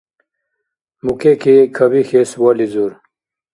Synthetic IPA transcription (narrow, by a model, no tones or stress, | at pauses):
mukekʰekʰɐbixeswoːlizuɾ